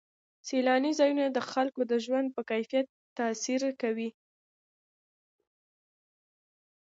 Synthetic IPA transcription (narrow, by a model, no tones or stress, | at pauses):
selɑnizɑjunad̪əxalkod̪əʒwand̪̚pəkajfijat̪ːasiɾkawi